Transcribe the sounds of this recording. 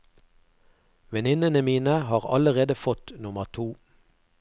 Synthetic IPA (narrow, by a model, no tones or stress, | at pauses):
ʋɛnɪnənəmiːnəhɑːʁɑ̰ləʁeːd̪əfɔt̪nʊməʁt̪ʰuː